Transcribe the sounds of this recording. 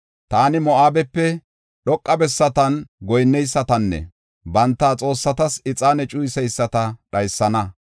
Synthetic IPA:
t̪aːnɪmɔaːbɛpːɛ | ɗɔkʼːɐbɛsːɐt̪ɐnɡɔjnːɛjsːɐt̪ɐnːɛ̰ | bɐnt̪ːaːt͡sʼo̞ːsːɐt̪ɐsɪt͡sʼaːnɛt͡ʃʼʊjsɛjsːɐt̪ɐɗɐjsːɐnɐ

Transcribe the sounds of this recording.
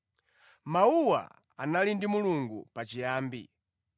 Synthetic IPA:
mauwa̰ | a̰nalindimuluŋɡṵpat͡ʃijaːmbḭ

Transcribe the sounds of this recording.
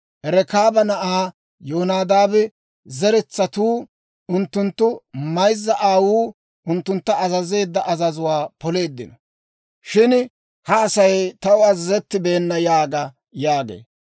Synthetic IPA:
ʔɛɾɛkaːbɐnɐʔaː | joːnaːd̪aːbɛ | zɛɾɛt͡sːɐt̪uː | ʊnt̪ːʊnt̪ːʊmɐjzːɐʔaːwuː | ʔʊnt̪ːʊnt̪ːɐɐzɐze̞ːd̪ːɐʔɐzɐzʊwaːpɔle̞ːd̪ːɪnɐ | ʃɪn | hɐːsɐjt̪ɐwʊɐzɐzɛt̪ːɪbe̞ːnːɐjaːɡɐ | jaːɡḛː

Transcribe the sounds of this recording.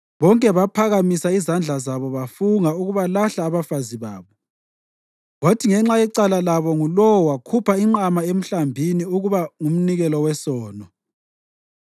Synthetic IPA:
βɔŋkʼɛβapʰaɣamisaizand͡ɮʱazaβɔβafuŋauɣuβalaɬaːβafaziβa̰ːβɔ | ɣotʰiŋɛŋ͡ǁajɛǀalalaβɔŋulɔwakʰupʰaiŋ͡ǀamaem̩ɬambʱiniuɣuβaŋum̩niɣɛlɔwɛsɔːnɔ

